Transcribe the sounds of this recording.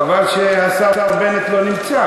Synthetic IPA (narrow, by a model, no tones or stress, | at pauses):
valʃeasatavbenet̪lo̞nimt͡sa